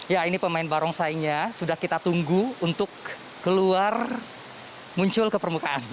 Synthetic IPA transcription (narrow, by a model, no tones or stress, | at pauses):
jainipəmaɪnbaɾɔŋsaiɲasudahkit̪at̪uŋɡuunt̪ʊkː | əluar | muɲt͡ʃʊlkəpərmukaʔan